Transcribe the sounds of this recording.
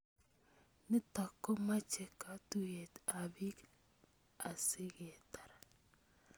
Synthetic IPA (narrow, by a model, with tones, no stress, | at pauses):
nɪ˦ta˨kːo˦ma˦t͡ʃɛ˨ka˨tu˦je˨t̪a˨bi˦k | a˨sɪ˦ɡe˨ta˨ɾa˨